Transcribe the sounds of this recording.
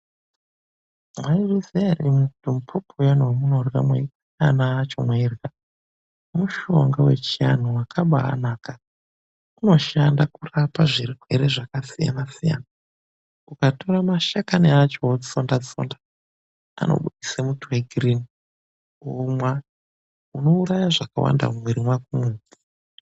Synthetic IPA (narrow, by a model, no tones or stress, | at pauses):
mwairisenimutum̩pʰopʰojanowmunorɣa̰mwa̰irsanaːt͡ʃo̞̰mwairɣa | muʃo̞ŋɡawe̞̰t͡ʃian̤uwakʰaɓa̰ːnaːka | uno̞ʃandakurapaʐirɦwe̞ɾeʐakasija̰nasija̰na | ukatoɾamaʃakaniat͡ʃo̞ifondad͡zi̥fo̰nda | a̰no̰ɓuɗisamutʰuweɡʱirini | omwa | uno̞uɾajaʐakawa̰nda̰mwiɾimwakumud͡zi